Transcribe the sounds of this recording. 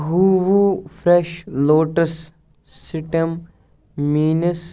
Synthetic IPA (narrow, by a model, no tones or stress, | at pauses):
ɦuːʋufɾɛʃloːʈəsː | ɪʈɐm | miːnəs